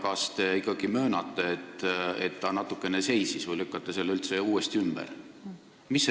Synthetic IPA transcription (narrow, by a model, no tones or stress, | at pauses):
kɑst̪e̞ikːˑɑɡ̥imø̞ːnɑt̪ːˑeet̪ːet̪ːɑnɑt̪ːˑukːˑe̞nese̞jsisvɯjlykːˑɑt̪ːeselːylt̪se̞uːest̪iymb̥ɛ̰r | misː